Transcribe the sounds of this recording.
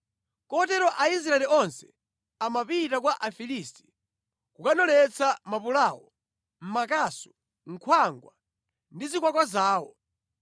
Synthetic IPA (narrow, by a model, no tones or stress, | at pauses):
kɔt̬ɛɾɔʔais̬ɾaɛliɔnsɛ̥ | amapitak̬waʔafilisti̥ | kukanɔlɛt͡sʰamapulaːwɔ | m̩makasɔ̥ | ŋ̩kʰwaŋɡwa | ndizikwakwazaːwɔ